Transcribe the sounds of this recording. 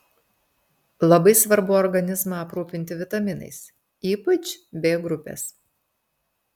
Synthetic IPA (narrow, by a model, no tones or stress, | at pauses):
lˠɐbɐɪsʋɐɾbʊɔɾɡɐnʲɪzmɑːpɾuːpʲɪnʲt̪ʲɪʋʲɪt̪ɐmʲɪnɐ̰ɪs | iːpɐt͡ʃʲbʲeːɡɾʊpʲḛːs